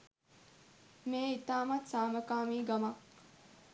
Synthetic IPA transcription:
meːit̪aːmɐt̪saːməkaːmiːɡɐma

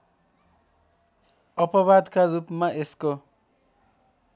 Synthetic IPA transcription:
ʌpʌβad̪karupmaʔesko

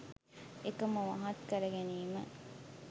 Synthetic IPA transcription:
ekɐməʋɐɦɐt̪kɐɾɐɡeniːmə̰

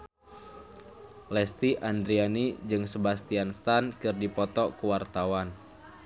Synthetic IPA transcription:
lɛst̪iʔand̪ɾianid͡ʒɨŋsəbast̪ianst̪ankɨrdipɔt̪ɔkuwart̪awan

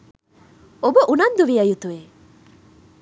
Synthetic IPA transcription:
obuʔunɐnd̪uʋiɐjut̪ue

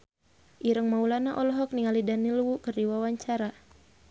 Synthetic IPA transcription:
ʔiɾəŋmaulanaʔɔlɔɦɔk̚niŋalidanilwukərdiwawaɲt͡ʃaɾa

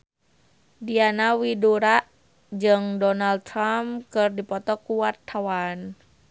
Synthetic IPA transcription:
dianawiduɾaʔ | d͡ʒɨŋdɔnal̚t̪ɾamkɨrdipɔt̪ɔkuwat̪ʰːawan

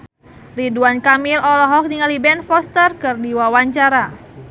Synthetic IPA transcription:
riduankamilɔlɔɦɔk̚niŋalibɛnfɔst̪ərkɨrdiwawaɲt͡ʃaɾa

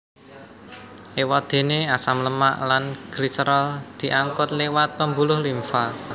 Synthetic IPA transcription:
ʔewɔd̪̥e̤neasamləma̰ʔlanɡ̥ɾisəɾəld̪̥i̤ʔaŋkʊt̪̚lewat̪̚pəmbṳlʊhlimfa

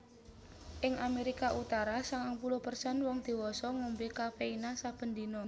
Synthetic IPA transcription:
ʔɪŋameɾikaʔut̪aɾasaŋaŋpuluhpərsɛnwɔŋd̪̥i̤wɔsɔŋumbikapeinasab̥ə̤nd̪inɔ

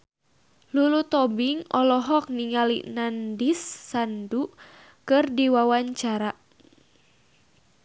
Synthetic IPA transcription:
lulut̪ɔbiŋɔlɔɦɔk̚niŋalḭnandisːandu | kɨrdiwawaɲt͡ʃaɾa

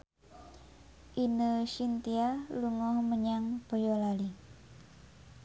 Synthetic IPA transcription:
ʔinəʃint̪ialuŋɔhməɲaŋb̥o̤jɔlali

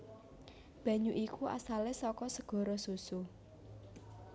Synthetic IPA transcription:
b̥ä̤ɲuʔikuʔa̰salɪsɔkɔsəɡ̥ɔ̤ɾɔsusu

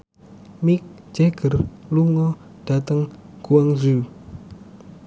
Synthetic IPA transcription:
mik̚ | d͡ʒɛɡ̥ərluŋɔ | ɖ̥at̪əŋɡ̥uaŋzu

